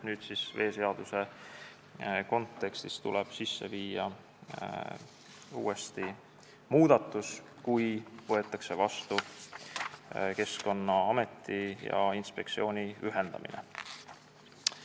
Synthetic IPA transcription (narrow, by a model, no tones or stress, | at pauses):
nyːd̪̥sisve̞ːse̞ɑd̪̥use̞ | ko̞nt̪ːˑe̞kst̪ist̪ulɛb̥sisːe̞viːjɑ | ṵːe̞st̪i | muːd̪̥ɑt̪ːˑus | kujvɤe̞t̪ːˑɑkse̞vɑst̪u | ke̞sko̞nːɑɑme̞t̪ːˑijɑ̰inspe̞k̪̚sio̞ːnʲiyɦe̞nd̪̥ɑ̰mḭnḛ